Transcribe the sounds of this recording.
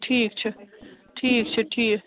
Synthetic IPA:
ʈʰiːk̚t͡ʃʰəʈʰiːk̚t͡ʃʰəʈʰiː

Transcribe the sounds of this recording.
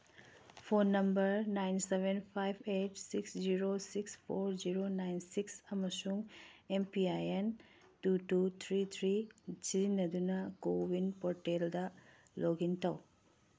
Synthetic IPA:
pʰonːɐmbɐɾnajnsebenpʰajbʱetsiksziɾosikspʰoɾziɾonajnsiksɐmɐsuŋempiajen | tutut̪ʰɾit̪ʰɾid͡ʒinɐd̪unɐkowinpɔɾʈeldɐ | lʔoɡintɐw

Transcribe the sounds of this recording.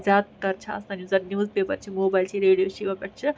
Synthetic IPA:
zaːt̪̚kɐɾt͡ʃʰɐɐ̰snɐnjuzɐɾnjuzpeːbɐɾt͡ʃʰimoːbajlt͡ʃʰiɾeːɽijoːʃiʋɐkɐɾt͡ʃʰɨ

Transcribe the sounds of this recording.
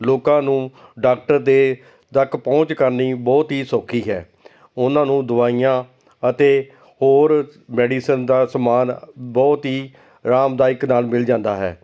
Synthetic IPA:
loːkãːnũːɖaːk̚ʈəɾd̪eː | d̪əkʰpɔ̃ːt͡ʃkəɾniːbɔːt̪ɦiːsoːkʰiːɦɛ̰ː | ʊnãːnũːd̪ʊʋaːijãː | ət̪eː | hoːɾmɛːɖiːsənd̪aːsəmaːnbɔːt̪ɦiː | ɾaːmd̪aːɪknaːlmɪld͡ʒãːnd̪aːɦɛ̰ː

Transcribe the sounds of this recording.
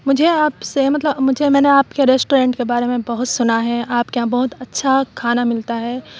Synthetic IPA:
mʊd͡ʒʱeaːpsemɐt̪ləbmʊd͡ʒʱemɛ̃ːneaːpkeɾeːsʈoːɾẽːɳʈkebaːɾemẽbɐɦʊt̪sʊnaɦɛʔaːpkeɦãbɐɦʊt̪ɐtːʃʰakʰaːnamɪlt̪aɦɛː

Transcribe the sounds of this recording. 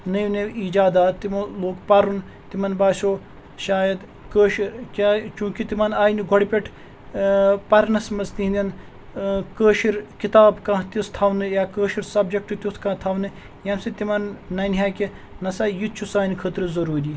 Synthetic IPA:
nɐjneiːd͡ʒaːd̪aːt̪ːimɐloːkpɐɾun | t̪imɐnbaːsʲoː | ʃaːjɐd̪ | kəːʃiɾkat͡ʃũːkit̪imɐnaːjniɡʱoɽʲpʲeʈʰ | pɐɾnɐsmɐst̪iɦind̪ʲɐn | kəːʃiɾkit̪aːbkãːt̪ist̪ʰaːʋnɨjaːkəːʃiɾsɐbd͡ʒɐk̚ʈut̪ʲut̪ʰkãːt̪ʰaːʋnɨ | jɐnsit̪imɐnːɐnɦaːki | nɐsɐjit͡ʃʰusaːnikʰət̪ɾɨzɐɾuːɾiː

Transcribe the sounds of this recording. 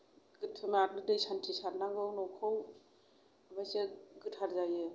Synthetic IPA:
ɡɯtʰɯmaɾnɯdɯjsantʰisaɾnaŋɡɯwnɔwkʰɯw | amajseɡɯtʰhaɾzajɯ

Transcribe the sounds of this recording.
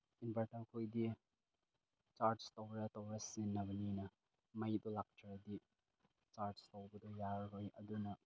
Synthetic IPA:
inbɐɾtaɾkʰojdi | t͡ʃaɾstowɾɐtowɾɐsinːɐbɐninɐ | mɐjdɔlak̚tʰaɾɐdi | t͡ʃaɾstowbɐd̪ɔjaɾɾojɐ̰dunɐ

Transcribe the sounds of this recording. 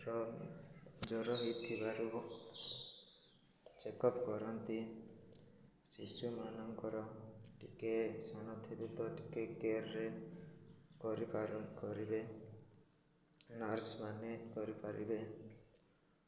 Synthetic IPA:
ɾɔ | d͡ʒɔɾɔɦit̪ʰibaɾu | t͡ʃekɔpkɔɾɔnt̪i | sisumanɔŋkɔɾɔʈikesanɔt̪ʰibut̪ɔʈi̥kekeɾe | kɔɾipaɾkɔɾibe | naɾsmanekɔɾipaɾḭbe

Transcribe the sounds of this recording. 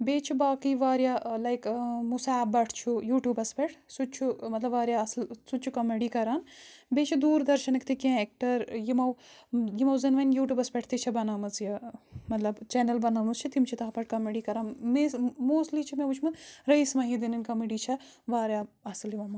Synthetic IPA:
beːt͡ʃʰibaːkiʋaːɾjalɐjkmusaːb̚bɐʈʰt͡ʃʰujuːʈjuːbɐspeʈʰsut͡ʃʰumɐt̪lɐbʋaːɾjaɐslsut͡ʃʰukɐmeɖiːkɐɾaːnbeːt͡ʃʰid̪uːɾd̪ɐɾʃɐnɐkʰt̪ʰikẽːek̚ʈɐɾjimɐwjimɐwzɐnʋɐnjuːʈʲjuːbɐspeʈʰt̪it͡ʃʰɐbɐnaːmɐt͡sjɐmɐt̪lɐbt͡ʃenɐlbɐnaːmɐst͡ʃʰit̪imt͡ʃʰit̪ɐɦpɐʈ̚ʰkɐmeɖiːkɐɾaːnmesmoːsʈlit͡ʃʰimeut͡ʃʰmɐɾɐjsmɐɦĩd̪inɐnkɐmeɖiːt͡ʃʰɐ | ʋaːɾjaːɐsliʋɐmɐ

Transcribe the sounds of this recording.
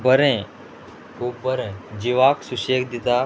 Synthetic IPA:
bʱəɾẽː | kʰuːbbʱəɾẽːd͡ʒiʋaːksuʃeːkd̪ɪt̪aː

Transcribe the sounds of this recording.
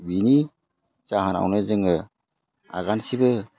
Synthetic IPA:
bini | zaɦana̰wnezɯŋɯ | a̰ɡansibɯ

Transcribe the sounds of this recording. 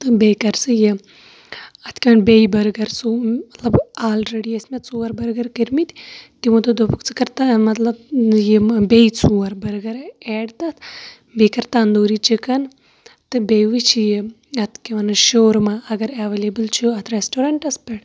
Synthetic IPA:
t̪ɨbejkɐɾsɨje | ɐt̪ʰkʲiʋɐnbejbɐɾɡɐɾsuɐt̪lɐbaːlɾeɽiesmet̪t͡suːɐɾbɐɾɡɐɾkiɾmit̪ʲt̪imud̪ɨd̪opɨkt͡sɨkɐɾt̪amɐt̪lɐb̚jebejt͡suːɐɾbɐɾɡɐɾeːɖt̪ɐt̪ʰ | bekɐɾt̪and̪oːɾit͡ʃikɐn | t̪ɨbejʋɨt͡ʃʰije | ɐt̪ʰkʲiʋɐnɨʃoːɾmaɐɡɐɾɐʋelebɨlt͡ʃʰuɐt̪ʰɾesʈoɾaːɳʈɐspɐɽ

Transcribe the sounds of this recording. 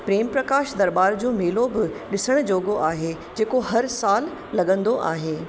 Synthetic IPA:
pɾeːmpɾɐkaːʃd̪ɐɾbaːɾd͡ʑoːmeːlobɪɗɪsəɽ̃d͡ʑoːɡoʔaːɦeː | d͡ʑeːkoɦɐɾsaːlː | ɐɠə̃nd̪oʔa̰ːɦeː

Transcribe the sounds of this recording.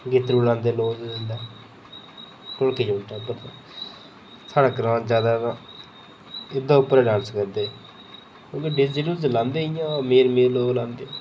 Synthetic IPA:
ɡɪt̪ɾuːlãːnd̪eːloːzzɪnd̪aː | kʊlkeːd͡ʒoːʈaːpəɾt̪ã | sʰaːɽaːkəɾãːd͡ʒaːd̪aːt̪ãː | ɪd̪ãːʊpːəɾɛːɖãːnskəɾd̪eː | kõːkeːɖɪd͡ʒeːɽõːd͡ʒlãːnd̪eːɪjãːmeːɾmeːɾloːɡlãːnd̪eː

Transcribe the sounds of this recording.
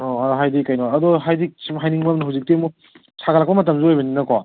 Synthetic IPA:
ɔɦajdikajnojɐdɔɦajdik̚sɦajniŋbɐmnuɦawzik̚temu | sʰaɡalak̚pɐmɐt̬ɐmzuojbɐninɐkowa

